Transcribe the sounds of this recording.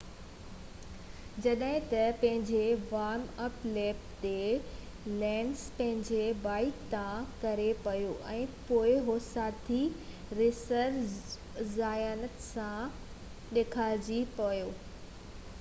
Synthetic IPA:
d͡ʑɐɗɦɪ̃t̪ɐpɐ̃ɦɪ̃ɲd͡ʑeʋaːɾmɐpleːpt̪e | lɛ̃ːɳspɐ̃ɦɪ̃ɲd͡ʑebaːɪkt̪ãkɐɾepɐjoːʔɛ̃ːpoːɪɦosaːt̪ʰi | ɾɪsəɾ | zaːjaːnət̪sã | ɗeːkʰaːd͡ʑipɐjoː

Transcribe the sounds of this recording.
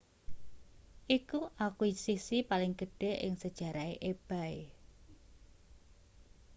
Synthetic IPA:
ʔikuʔakwiisisipalɪŋɡ̥əɖ̥e̤ʔɪ̰ŋsəd̥ʒ̥a̤ɾaeʔeb̥a̤e

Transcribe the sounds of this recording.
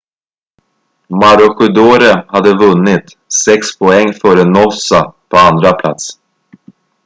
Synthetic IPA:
maɾʊɧɵd̪oːɾəhad̪ːəvɵnːɪt̪ | sɛkspʰɔɛŋːfœːɾənɔsapʰɔand̪ɾapʰla̰t̪s

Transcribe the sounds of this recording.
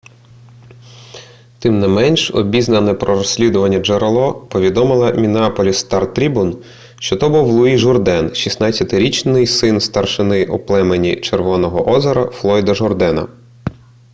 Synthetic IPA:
t̪ɪmnɛmɛnʲʃɔ̰bʲiznɐnɛpɾɔɾɔsʲlʲid̪ʊʋɐnʲːɐd͡ʒeɾelˠɔpɔʋʲid̪ɔmɪlˠɐmʲinɑpɔlʲist̪ɑrt̪ɾʲibun | ʃt͡ʃɔt̪ɔbuwlˠʊiʒʊrd̪ɛnʃisnɑt͡sʲɐt̪ɪɾʲit͡ʃnɪjsɪnst̪ɐrʃɪnɪʔuplˠɛmenʲḭt͡ʃerʋɔnɔɦɔʔɔzɐɾɐflˠɔjd̪ɐʒɔrd̪ɛnɐ̰

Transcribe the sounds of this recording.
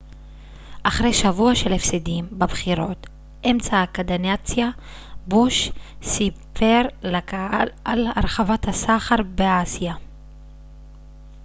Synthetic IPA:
ʔaχʁe̞jʃavuaʃelefsidimbabχiʁo̞t | ʔemt͡saːkad̪anat͡sja | buʃsipʰeʁlakaalalaɾχavathasaχaɾbeasija

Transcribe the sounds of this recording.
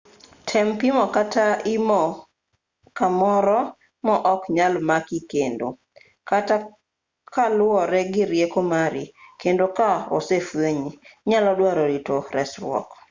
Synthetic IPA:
tʰɛmpimɔkataimɔ | kamɔɾɔ | mɔʔɔkɲalmakikendo̰ | kata | kʰalɔɾɛɡɪɾjekomaɾikendokao̰sefweɲiɲalɔdwaɾoɾitoɾɛsɾwɔ̰k

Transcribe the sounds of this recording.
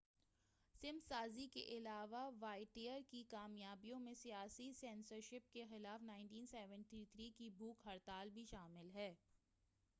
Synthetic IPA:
sɪmsaːzikḛʔɪlaːʋaʋaːɪʈiːəɾkikaːmjaːbijõmẽsijaːsisɛːnsəɾʃɪp̚kexɪlaːfnaːɪ̃ɳʈiːnsɛːʋə̃ɳʈit̪ʰɾiːkibʱuːkɦɐɾt̪aːlbʱiʃaːmɪlɦɛː

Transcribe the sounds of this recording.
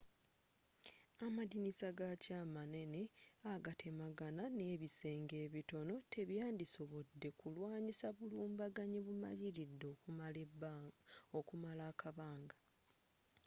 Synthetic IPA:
amadinisaɡacaːmane̞ne̞aɡatʰe̞maɡanane̞ːβise̞ːŋɡe̞ːβito̞no̞te̞βjaːndiso̞βo̞dːe̞kulwaːɲisaβuluːmbaɡaɲiβuma̰jiɾidːo | okumalaːkʰaβaːŋɡa

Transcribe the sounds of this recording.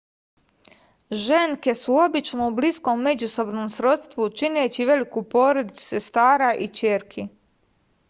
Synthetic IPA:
ʒeŋke̞suo̞bit͡ʃnoublisko̞mːe̞d͡ʑuso̞bnomsɾo̞t̪st̪ʋut͡ʃineːt͡ɕiʋe̞likupo̞ːɾod̪it̪su̥se̞st̪aːɾaʔit͡ɕeːɾkʰi

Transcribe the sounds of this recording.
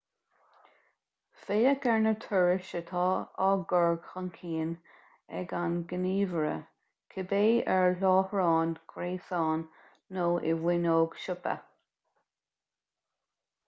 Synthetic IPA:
feːəkʰɛɹnət̪ʰʊɹɪʃət̪ʰɑːɑɡɔɹɡxənkʰiːn | ɛ̰ɡanɡəniːvəɹə̰ | kʰɪbeːɛɹlɔːhɹɑːnkʰɾeːsɑːnː | oːʔɪwɪnoːɡ̥ʃʊpə̰

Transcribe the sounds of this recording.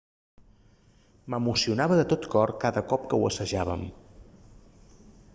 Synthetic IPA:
məmusiunaβəðət̪ot̪kɔrkaðəkɔp̚kəwəsəʒaβə̰m

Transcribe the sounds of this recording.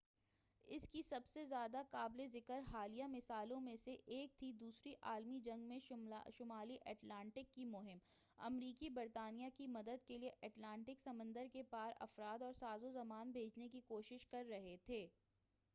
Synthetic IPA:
ɪskisɐbsezjaːd̪akaːblezɪkəɾɦaːlijamɪsaːlõmẽseʔeːk̚t̪ʰid̪uːsɾiʔaːlmid͡ʒɐ̃ŋɡmẽʃʊmaːliʔɛːʈlãːɳʈɪkːimʊɦɪm | ɐ̰mɾiːkibɪɾt̪aːnijakimɐd̪əd̪kelieʔɛːʈlãːɳʈɪksɐmə̃nd̪əɾkepaːɾɐ̰fɾaːd̪ɔːɾsaːzozɐmaːnbʱeːd͡ʒnekikoːʃɪʃkɐɾːɐɦet̪ʰeː

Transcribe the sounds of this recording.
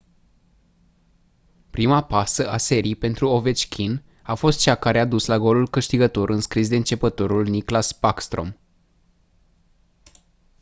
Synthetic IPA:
pɾimapasəʔase̞ɾiijpe̞nt̪ɾuove̞t͡ʃkʲʰin | afo̞st̪̚t͡ʃakaɾead̪uslaɡo̞lulkɨʃt̪iɡət̪o̞ɾʔɨnskɾis̬d̪e̞ɨnt͡ʃe̞pət̪o̞ɾulniklaspakst̪ɾo̞̰m

